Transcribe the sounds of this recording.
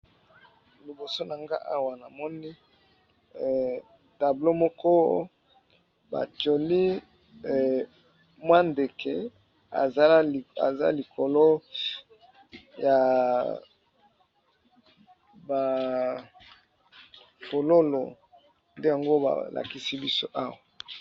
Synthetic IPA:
li˨bo˨so˦na˨ŋɡa̰˦ʔa̰˦wa˨na˨mɔ˦ni˦˨ | ta˨blo˦mo˦kɔ˦ | ba̰˨to˨li˦˨ | mwa˦nde˨kʰe˨ | a˨˦˨a̰˨za̰˦li˨kʰo˨lo˦ | ja˨ | ba˨ | ko˨lo˦lo̰˨ | nde˦ja˨ŋɡo˦ba̰˨lʔa̰˨ki˦si˦bi˦so˦ʔa˦wa˨

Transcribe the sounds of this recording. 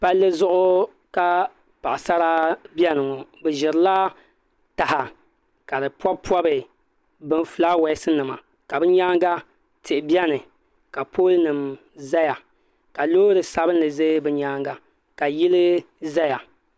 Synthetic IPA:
pa˦lːɨ˦zʊ˦ʔʊ˦ | ka˦ | pa˨ʔa˨sa˦ɾa˦bjɛ˦nɨ˨ŋɔ˨bɨ˨ʒɪ˨ɾɨ˨˦la˦ | ta˨ha˨ | ka˨dɨ˨pɔ˦bpɔ˦bɨ˨ | bɨ˦nfla˦wɛ˦sɨ˦nɨ˨ma̰˨ | ka˨bɨ˦ɲaː˦ŋɡa˦ | tʰɪ˨ʔbɛ˦nɨ˨ | ka˨pʰo˦lnɨ˨m | za˦ja˨ | ka˨loː˦ɾɨ˨sa˨bɨ˦n˦lɨ˨ze˦bɨ˨ɲaː˦ŋɡa˨ | ka˨jɪ˦lɨ˦ | za˦ja˨

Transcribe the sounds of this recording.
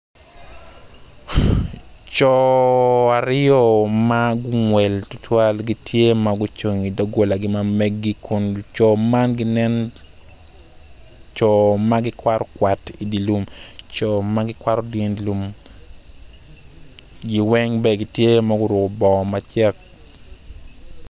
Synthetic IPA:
t͡ʃɔ˨ | a˨ɾɔ˦ma˦ɡʊ˦ŋwɛ˨ltʊ˦tʰwa˦lɡitʰje˦maɡʊ˦t͡ʃo˨ŋi˨do˦ɡo˨la˨ɡɪ˦mamɛ˦ɡːikʰʊ˨nt͡ʃɔ˨ma˦nɡɪ˦nɛ˦n | t͡ʃɔ˨ma˦ɡɪ˦kwa˦ɾɔ˦kwa˨ti˨di˨lu˦mt͡ʃɔ˨maɡɪkwa˦ɾɔdi˦nilu˨m | ɡi˦wɛ˦ŋbɛ˨ɡi˨tje˦ma˦ɡʊ˦ɾʊ˨kɔ˨bɔ˨ma˨t͡ʃɛ˦k̚

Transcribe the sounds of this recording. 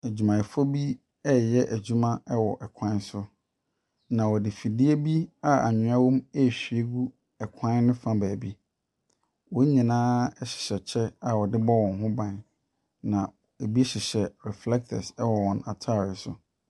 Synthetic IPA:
æ˨d͡ʑᶣu˨mã˨fo˦bi˦ | ɛ˦jɛ˦ʔæ˨d͡ʑu˦mã˦ɛ˦wɔ˨ʔɛ˨kʷʰã˦sʊ˦ | nã˨wɔ˨dɪ˨fi˨dɪ˦e˦bi˦a˦a̰˨ɲɪ̃˨˦a˦wõ˦mɛ˦˨ɕᶣi˨e˦ɡu˦ | ɛ˨kʷʰã˦n˦nɪ̃˦fã˦bæː˨bi˦ | wɔ̃˦ɲĩ˨nãː˦ɛ˦ɕɪ̥˨ɕɛ˨t͡ɕʰɛ˦a˨wɔ˨dɪ˦bɔ˦wɔ̃˨nɦʊ̃˦bã˨n | nã˨ | e˨bi˦ɕɪ˨ɕɛ˨ɾɛ˨flɛ˦k̚tʰɛ˨sɛ˦wɔ˨wɔ̃˨na˨tʰa˦˨ɾɪ˨sʊ̰˨

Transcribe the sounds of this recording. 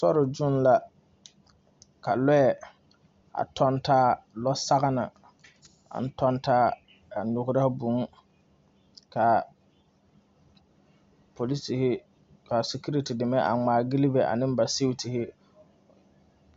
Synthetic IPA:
sɔ˦ɾɪ˨d͡ʒʊ˦n˦la˦ | ka˨lɔ˦ɛ˨ | a̰˨tʰɔ˦ntaː˦lɔ˦sa˦ɣa˦na̰˨ | a̰˨n̩˦tɔ˦ntaː˦ | a˨nʊ˨ɡʊ˦ɾa˦hbu˨˦ŋ˦ | ka˨ | pʰo˨li˦si˨hɪ˦ | ka˨si˨ku˦ɾi˦ti˨dɪ˨mɛ˦ʔa̰˨ŋ͡maː˨ɡi˦lɪ˦bɛ˨ʔa̰˨nɪ̃˦m˦ba˨si˦wtɪ˨hɪ˦

